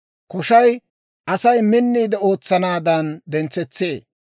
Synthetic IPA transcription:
kɔʃɐj | ʔɐsɐjmɪnːiːd̪ɛo̞ːt͡sːɐnaːd̪ɐnd̪ɛnt͡sɛt͡sːeː

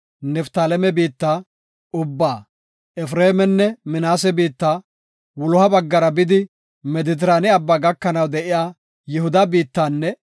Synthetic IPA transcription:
nɛft̪aːlɛmɛbiːt̪ːaː | ʊbːaː | ɛfɾeːmɛnːɛmɪnaːs̬ɛbiːt̪ːaː | wɔlʊhɐbɐɡːɐɾɐbɪd̪ɪ | mɛd̪ɪt̪̬ɪɾaːnɪɐbːaːɡɐkːɐnɐwd̪ɛʔɪjaː | jɛhʊd̪ɐbiːt̪ːaːnːɛ

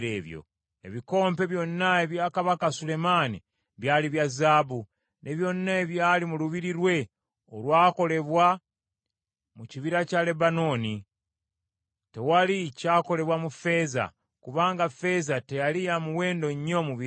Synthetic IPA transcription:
ɾeːβjo̰ | ḛβiko̞ːmpe̞βjo̞nːaeβjaːkaβakasule̞maːnḭ | βjaːliβjazaːbu | nʔe̞βjo̞nːaeβjaːlimuluβiɾiɾwe̞ | olwaːko̞le̞βwa | muciβiɾacale̞bano̞ːni | te̞walicaːko̞le̞βwamufe̞ːza̰ | kuβaːŋɡafe̞zate̞jalijamuwe̞ːndo̞ɲːo̞muβi

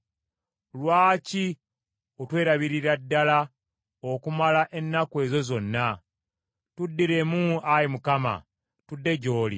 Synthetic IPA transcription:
lwaːci | otwe̞ːɾaβiɾiɾadːala | okumalaʔe̞nːakwe̞ːzo̞zo̞nːa | tudːiɾe̞muajimukama̰ | tudːe̞ɟo̞ːlḭ

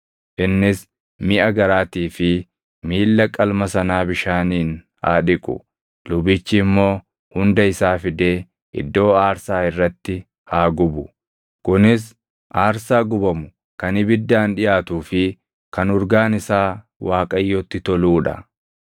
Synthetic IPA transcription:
ʔɪnːɪs | mɪʔɐɡɐɾaːt̪iːfɪ | miːlːɐkʼɐlmɐsɐnaːbɪʃaːniːn | ha̰ːᶑɪkʼʊ̰ | lʊbɪt͡ʃːɪːmːo̞ː | hʊnd̪ɐɪsaːfɪd̪e̞ː | ʔɪ̰d̪ːo̞ːaːɾsaːɪrːɐt̪ːɪ | haːɡʊbʊ | kʊnɪs | ʔaːɾsaːɡʊbɐmʊ | kɐnɪbɪd̪ːaːnᶑɪjaːt̪uːfɪ | kɐnʊɾɡaːnɪsaː | waːkʼɐjːɔːt̪ːɪt̪ɔluːᶑɐ̰

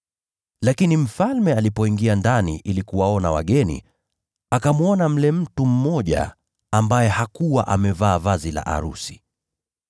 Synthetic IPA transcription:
lakinim̩falmɛalipɔiŋɡiandanḭʔilikuwaɔnawa̰ɠɛnḭ | akamwɔnam̩lɛm̩tum̩mɔʄa̰ | ambajɛhakuwaʔamɛvaːvazila̰ʔa̰ɾusi̥

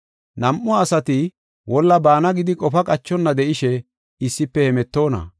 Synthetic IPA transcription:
nɐmʔʊːsɐt̪ɪ | wɔlːɐbaːnɐɡɪd̪ɪkʼɔfɐkʼɐt͡ʃːɔnːɐd̪ɛʔɪʃɛ | ɪsːɪpːɛhɛmɛt̪ːo̞ːnɐ̰

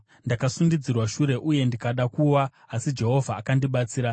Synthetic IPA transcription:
ndakasundid͡zirwaʃuɾe̞ʔuje̞ndikaɗakuwa | asid͡ʒe̞ɦo̞vʱaːkandiɓat͡siːɾa

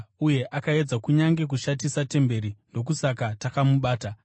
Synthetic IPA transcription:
uje̞ʔakae̞d͡zakuɲaŋɡe̞k̬uʃatisate̞mbe̞ɾino̞k̬usakatakamuɓaːta

